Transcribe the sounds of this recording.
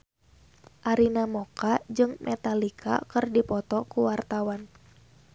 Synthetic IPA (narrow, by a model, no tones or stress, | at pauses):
ʔaɾinamɔkad͡ʒɨŋmʔɛt̪alikʰa̰kɨrdipɔt̪ɔkuwart̪awan